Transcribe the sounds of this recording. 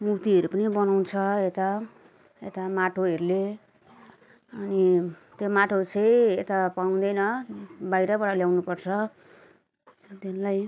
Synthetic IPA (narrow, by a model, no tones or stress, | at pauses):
mukt̪iɦʌɾupʌnibʌnaw̃nt͡sʰʌet̪a | ḛt̪amaʈʰoɦeɾule | ʌni | t̪jomaʈʰot͡sʰʌjet̪apaũd̪ʌjnʌbajɾʌbaɽaljawnupʌrt͡sʰʌ | t̪inlaj